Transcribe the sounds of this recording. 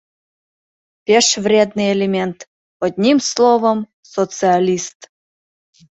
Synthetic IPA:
pʲeʃvrʲed̪nɨelʲemʲent̪ | ɔd̪ʲnʲimslˠovəm | sot͡sɨalʲist̪

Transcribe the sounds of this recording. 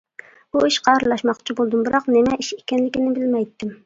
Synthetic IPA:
b̥uiʃqʰɑɾɨlˠɑʃmɑχt͡ʃʰibolˠd̪ɨmbɨɾɑqnɪmɛʔiʃekʲɛnlɪkʲinɪbɪlmɛjt̪ʰːɪm

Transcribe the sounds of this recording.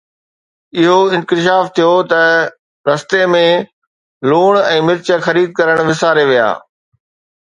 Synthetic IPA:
ɪɦoɪ̃nkɪʃ̬aːft̪ʰijot̪ɐ | ɾɐst̪emẽ | luːɽ̃ɛ̃ːmɪɾt͡ɕə̆xɐɾiːd̪̚kɐɾəɽ̃ʋɪsaːɾeʋija̰ː

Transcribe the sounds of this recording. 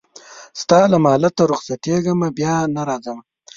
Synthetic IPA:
st̪ɑlamɑːlat̪aɾʊχsat̪eɡəmabjɑnaɾɑzəma

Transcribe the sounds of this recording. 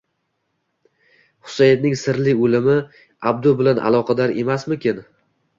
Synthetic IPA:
hʊ̥sajd̪nɪŋsɪɾlɪolɪmɪ | ab̚d̪ʊbɪlanʔa̰lˠɒqʰɑd̪aɾe̞masmɪkʲʰɪn

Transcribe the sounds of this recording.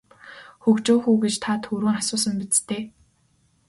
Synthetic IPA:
xɵkt͡ɕoːxuːɡet͡ɕt̪ʰat̪ʰɵɾuːŋasʊːsə̆mpit͡st̪ʰeː

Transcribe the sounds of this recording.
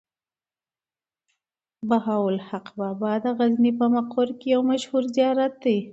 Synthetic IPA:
bahawʊlhaqbɑbɑd̪əɣaznipəmaqoɾkejawmaʃhuɾzjɑɾat̪̚d̪aj

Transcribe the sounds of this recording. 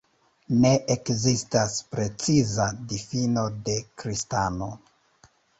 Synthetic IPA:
ne̞ʔekzistaspɾe̞t͡sizadifino̞de̞kɾistano̞

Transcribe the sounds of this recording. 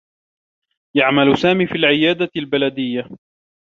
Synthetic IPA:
jaʕmalsaːmiːfiːlʕɪjaːd̪albalad̪ɪjːa

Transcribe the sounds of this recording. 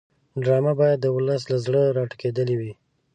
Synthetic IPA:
ɖɾɑmabɑjad̪ːəʊləs̬lazɽəɾɑʈəked̪əliwi

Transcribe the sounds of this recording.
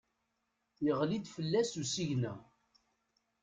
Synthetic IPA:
jəʁlid̪fəlːæsusiʝnæ

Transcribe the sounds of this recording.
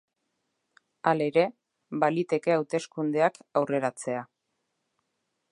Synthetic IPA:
ale̞ɾe̞ | βalit̪e̞ke̞awt̪e̞skund̪e̞akawre̞ɾat͡se̞a

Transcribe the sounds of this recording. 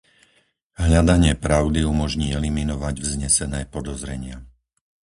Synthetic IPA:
ɦʎad̪aɲɪɛpɾaʊd̪iumɔʒɲiːɛliminɔʋaɟvzɲɛsɛnɛːpɔd̪ɔzɾɛɲɪa

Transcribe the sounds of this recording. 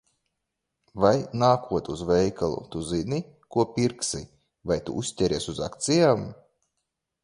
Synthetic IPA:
vajnaːkʰuɔt̪uzvɛjkalˠṵt̪uzinʲi | kuɔpʲiɾksḭ | vajt̪ṵʔusʲt̪ʲɛɾʲiɛsuzakt̪sijaːm

